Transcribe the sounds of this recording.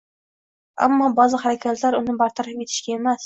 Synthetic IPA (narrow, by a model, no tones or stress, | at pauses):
a̰mːɒbɒzɪχaɾakʲʰat̪ʰlaɾʊnɪbaɾt̪ʰaɾape̞t̪ʰɪ̥ʃɡʲae̞mas